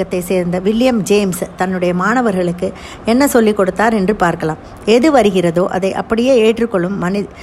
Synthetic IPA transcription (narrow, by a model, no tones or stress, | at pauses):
ɐt̪ːɐɪseːɾnd̪ɐʋɪlɪjɐmd͡ʒeːmst̪ɐnːɯɽɐjɐmaːnɐʋɐɾɣɐɭɯkːɯ | ɛnːɐsɔlːikːɔɽɯt̪ːaːɾɛndrɯpaːɾkɐɭaːm | ɛðɯʋɐɾɯɣɪrɐðoːʔɐðɐɪʔɐ̰pːɐɽɪjeːeːʈrɯkːɔɭːɯmːɐnɪ